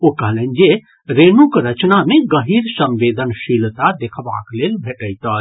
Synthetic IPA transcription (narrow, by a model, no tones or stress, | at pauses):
okɐɦlənd͡ʒe | ɾeːnũkɾət͡ʃnamẽɡəɦiːɾsə̃mʋeːd̪ʱənʃilt̪ad̪ekʰba̰ːkleːlbʱeʈəjt̪ə